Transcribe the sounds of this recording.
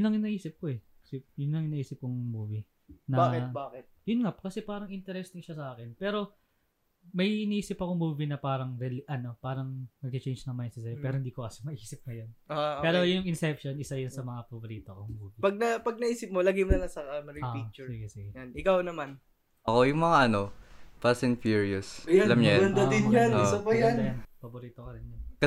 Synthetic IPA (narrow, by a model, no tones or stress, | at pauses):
nlɐŋɪnɐʔiːsɪp̚koɛkɐsɪp̚jʊnlɐŋɪnɐʔiːsɪp̚kʊŋmuːvi | nɐbaɛbaːkɛt̪̚jʊnŋapkɐsɛpaːɾɐŋʔɪnt̪ɛɾɛst̪ɪŋʃɐsɐaːkɛnpɛːɾo̞ | mɐjʔɪniʔiːsɪpːɐkoŋmuːvinɐpaːɾɐŋɾɛlʔɐno̞paːɾɐŋnɐɡ̚t̪ɪt͡ʃejnd͡ʒnɐŋmɐjnsɪsɐjopɛːɾohɪnd̪iːkokɐsɪmɐʔiːsɪp̚ŋɐjonʔopɛːɾojʊŋɪnsɛpʃo̞nʔɪsajʊnsɐmɐŋapɐboɾiːt̪okomuːvipɐɡ̚nɐpɐɡ̚nɐiːsɪp̚molaɡɪmonɐlɐsɐkɐmɐɾɪoːit͡ʃsiɡɛsiɡɛjanʔɪkawnɐman | ʔɐkojʊŋmɐŋaʔɐno̞pɐsɪnfjuɹiosjlamɲaɐnd̪ad̪ɪnjanɪsapɐjanjɐnpɐboɾiːt̪okɐɾɪnjɐn